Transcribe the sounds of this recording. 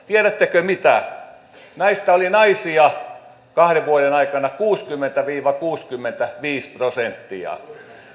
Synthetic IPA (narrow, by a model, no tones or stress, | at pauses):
t̪ieɾæt̪ːekømit̪æ̰ | nɑist̪ɑolinɑisiɑ | kɑhreʋʋuoɾenɑikɑnɑkuːskymːent̪æʋiːʋɑkuːskymːent̪æʋiːsprosent̪ːḭɑ̰